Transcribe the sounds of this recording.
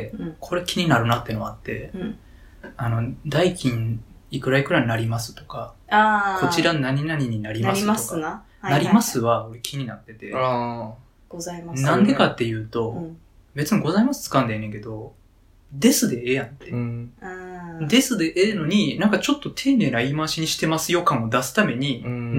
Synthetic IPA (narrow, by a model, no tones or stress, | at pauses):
kʰo̞ɾekʲʰiɲ̟inaɾɯ̟nat̪ːenoaat̪ːe̞̰ | ano̞d̪aikʲĩn | ikɯ̟ɾaikɯ̟ɾaɲ̟inaɾʲimasɨ̥t̪o̞̥kaako̞t͡ɕiɾanaɲ̟inaɲ̟iɲ̟inaɾʲimasɨtok | naɾʲimasɨβao̞ɾe̞kʲʰiɲ̟inat̪ːe̞t̪e̞ | ɡ̥ozaimanãnd̪e̞kat̪ːe̞jɯ̟ːt̪o̞ | be̞t͡sɨɲiɡo̞zaimasɨ̥t͡sɨ̥kãnd̪eneŋke̞d̪o̞ | d̪e̞sɨd̪e̞ejãnt̪e | d̪e̞sɨd̪e̞ʔeːno̞ɲ̟inãŋkat͡ɕo̞t̪ːo̞t̪ʰe̞ːneːɾaimaɕiɲ̟iɕi̥t̪e̞masɨjo̞kãɰ̃od̪asɨ̥t̪ame̞ɲ̟i